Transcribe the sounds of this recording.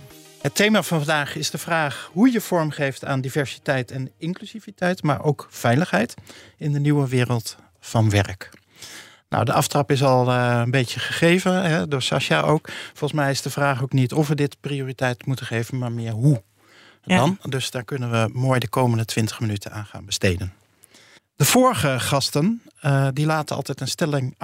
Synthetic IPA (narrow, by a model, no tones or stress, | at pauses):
ɦətejmaːvɑnvɑndaːχɪzdəvraːχɦujəv̥ɔɹmχejfta̰ːndivɛɹsi̥tɛjtɛnɪŋklyzivitɛjtma̰ːɹʔowkfɛjləχɦɛjtɪndəniwəʋɪːrəlˠt | fɑnʋɛrk | na̰wdəʔɑftrɑpɪs̬ɑlˠənbejcəχəχejvəɦɛdʊːɹsɑ̰ʃaʔowkfɔlˠχəsmɛjɪzdəvraːχowknitɔfʋədɪtprioːritɛjtmutənχejvənmaːɹmɪːɹɦu | dɑndɵsd̥aːɹkɵnənʋəmoːjdəkowməndətʋɪntə̥χmənytʰəna̰ːnχa̰ːnbəstejdən | d̥əv̥ʊːɹəχəχɑstəndilaːtənɑ̰lˠtɛjtənstɛlɪŋ